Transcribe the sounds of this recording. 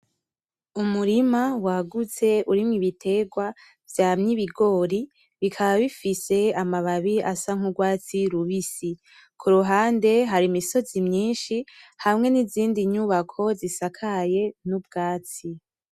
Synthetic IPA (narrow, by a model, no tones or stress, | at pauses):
umuɾimawaɡut͡se̞uɾimŋiβitʰe̞ɡwa | vjamɲiβiɡo̞ːɾi | βikʰaβaβifise̞amaβaβiasaŋ̥uɡwaːt͡siɾuβisi | kʰuɾuɦaːnde̞ɦaɾimiso̞zimɲiːnʃihamŋe̞niziːndiɲuβakʰo̞zisakʰaje̞nub̚ɡaːt͡si